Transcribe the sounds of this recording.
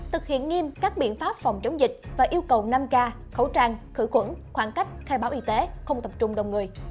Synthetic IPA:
t̪ʰɨ˨˩k̚hḭ˧˨ənŋi˧mkaː˦˥k̚ɓḭ˧˨ənfaː˦˥p̚fɔ˨˩wŋ͡mt͡ɕə˨˦wŋ͡mzï˨˩k̟̚vaː˨˩ʔi˧əwkə˨˩wna˧mkaː˧ | xə˧˩wt͡ɕaː˧ŋxɨ̰˧˩xwə̰˧˥nxwaː˧˩nka˦˥jk̟̚xaː˧jɓaː˧˩wʔi˧t̪e˨˦xə˧wŋ͡mt̪ə˨˩p̚t͡ɕʊ˧ŋ͡mɗə˨˩wŋ͡mŋɨ˨˩əj

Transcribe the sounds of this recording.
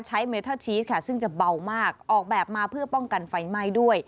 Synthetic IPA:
t͡ɕʰa˦˥jmeː˧˦wt̪ʰaː˥˩t͡ɕʰiː˦˥t̪̚kʰa˦˥˩sɯ˥˩ŋt͡ɕa˨˩ba˧wmaː˥˩k̚ʔɔː˨˩k̚bɛː˨˩p̚maː˧pʰɯ˥˩ɐpɔ˥˩ŋka˧nfa˧jma˧˥˩jdu˥˩əj

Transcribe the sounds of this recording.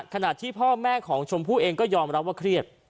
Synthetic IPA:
kʰa˧na˨˩t̪ʰiː˥˩pʰɔː˥˩mɛː˥˩kʰɔː˩˦ŋt͡ɕʰo˧mpʰuː˥˩ʔeː˧ŋkɔː˥˩jɔː˧mɾa˦˥p̚waː˥˩kʰɾi˥˩ət̪̚

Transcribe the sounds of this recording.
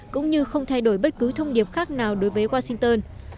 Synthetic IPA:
kʊ̰˧˥ŋ͡mɲɨ˧xə˧wŋ͡mt̪ʰa˧jɗo˧˩jɓə˦˥t̚kɨ˨˦t̪ʰə˧wŋ͡mɗi˨˩əp̚xaː˦˥k̚naː˨˩wɗo˨˦jvəː˨˦jwaː˧sï˧ŋt̪əː˧n

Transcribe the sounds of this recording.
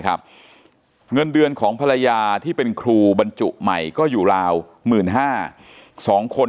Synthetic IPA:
kʰa˦˥p̚ | ŋɤ˧ndɯ˧ənkʰɔː˩˦ŋpʰa˧ɾa˧jaː˧t̪ʰiː˥˩pe˧nkʰɾuː˧ba˧nt͡ɕu˨˩ʔma˨˩jkɔː˥˩juː˨˩ɾaː˧w | mɯː˨˩nɦaː˥˩ | sɔː˩˦ŋkʰo˧

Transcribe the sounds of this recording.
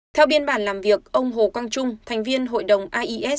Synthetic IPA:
t̪ʰɛ˧wɓi˧ənɓaː˧˩nlaː˨˩mvi˨˩ək̚ʔə˧wŋ͡mɦo˨˩kwa˧nt͡ɕʊ˧ŋ͡mt̪ʰɛ˨˩ŋ̟vi˧ənɦo̰˧˨jɗə˨˩wŋ͡mʔaː˧ʔi˧ʔɛ˦˥

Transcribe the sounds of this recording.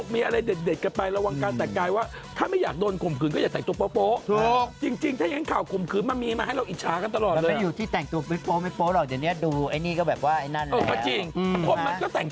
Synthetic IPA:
miː˧ʔa˧ɾa˧jde˨˩t̪̚de˨˩t̪̚ka˧pa˧jɾa˧wa˧ŋkaː˧nt̪ɛ˨˩kːaː˧jwaː˥˩ | t̪ʰaː˥˩ma˥˩jaː˨˩k̚doː˧nkʰo˨˩mkʰɯː˨˦nkɔ˥˩jaː˨˩t̪ɛ˨˩t̪u˧p̬oː˧˦˥poː˦˥o˧˩k̚t͡ɕi˧ŋt͡ɕi˧ŋt̪ʰaː˥˩ja˧˨ŋː˦kʰaː˨˩wkʰo˨˩mkʰɯː˨˦nma˧miː˧maː˧ɦa˥˩jɾa˧wʔi˨˩t̪̚t͡ɕʰaː˦˥ka˧nt̪a˧lɔː˨˩tːlə˧ma˧˩juː˨˩t̪ʰiː˥˩t̪ɛ˨˩ŋt̪u˧ɐpi˦˥poː˦˥ma˥˩jpoː˦˥lɔː˨˩k̚da˨˩nːi˦˥ɐduː˧ʔa˧jniː˥˩kɔː˥˩bɛː˨˩p̚waː˥˩ʔa˧jna˥˩nəː˨˧˩maː˧˩˦t͡ɕi˧ŋkʰɔ˧˥˨ma˧kɔː˥˩t̪ɛ˨˩ŋ

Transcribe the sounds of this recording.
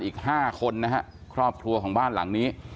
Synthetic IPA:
nʔiː˨˩k̚haː˥˩kʰo˧nːa˦˥kʰa˦˥ʔkʰɾɔː˥˩p̚kʰɾu˧əkʰɔː˩˦ŋbaː˥˩nla̰˩˦ŋniː˦˥

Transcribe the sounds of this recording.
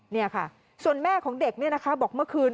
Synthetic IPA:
ni˥˩ɐkʰa̰˥˩ | su˨˩ənmɛː˥˩kʰɔː˩˦ŋde˨˩k̚ni˥˩ɐna˦˥kʰa˦˥bɔː˨˩k̚mɯ˥˩ɐkʰɯː˧n

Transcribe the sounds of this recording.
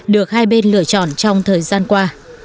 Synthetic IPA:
ɗɨ˨˩ək̚haː˧jɓe˧nlɨ̰˧˨ət͡ɕɔ̰˧˨nt͡ɕɔ˧wŋ͡mt̪ʰəː˨˩jzaː˧nkwaː˧

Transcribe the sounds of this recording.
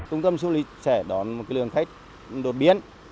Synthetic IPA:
t͡ɕʊ˧ŋ͡mt̪ə˧msu˧˦li˨˦sɛ˧˩ɗɔ˨˦nmo˨˩kaː˨˦jlɨ˨˩əŋxa˦˥k̟̚ | ɗo˨˩t̚ɓi˨˧˨ən

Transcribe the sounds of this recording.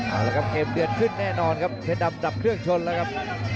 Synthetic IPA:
ʔaː˧˩lɛ˦˥kʰa˦˥p̚ʔe˨˧˩mt̪i˨˩ən̚kʰɯ˥˩nːɛː˥˩nɔː˧nkʰa˦˥p̚t͡ɕʰɛ˥˦˥da˧mda˨˩p̚kʰɯ˥˩əŋt͡ɕʰo˧nlɛː˦˥wkʰa˦˥p̚

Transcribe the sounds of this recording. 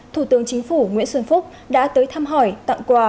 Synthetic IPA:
t̪ʰu˧˩t̪ɨ˨˦əŋt͡ɕï˨˦ŋ̟fu˧˩ŋwḭ˧˥ənswə˧nfʊ˦˥k͡p̚ | ɗa̰ː˧˥t̪əː˨˦jt̪ʰaː˧mɦɔ˧˩jt̪a̰˧˨ŋkwaː˧˩

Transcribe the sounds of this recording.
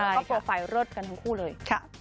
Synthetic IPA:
a˥˩˥pɾoː˧fa˧˩jɾo˦˥˩t̪̚ka˧nt̪ʰa˧ŋkʰuː˥˩lɤː˧jkʰa˦˧˩

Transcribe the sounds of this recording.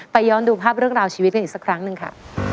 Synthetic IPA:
pa˧jːɔː˧nduː˧pʰaː˥˩p̚ɾɯ˥˩əŋɾaː˧wt͡ɕʰiː˧wt̪̚ka˧niː˨˩ksa˦˩kʰɾa˦˥ŋnɯ˨˧ŋkʰa̰˥˩

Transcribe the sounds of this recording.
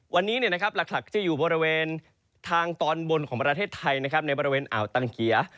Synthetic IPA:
wa˧nːiː˦˥ni˥˩əna˦˥kʰa˦˥p̚la˨˩k̚la˨˩k̚t̪ʰiː˥˩juː˨˩bɔː˧ɾi˦˥weː˧n | t̪ʰaː˧ŋt̪ɔː˧nwo˧nkʰɔː˩˦ŋpɾa˧t̪ʰeː˥˩t̪ʰːa˧jna˥kʰa˦˥p̚na˧jbɔː˧ɾi˦˧weː˧nʔa̰ː˩˦wt̪aː˧ŋki˨˩˦ɐ

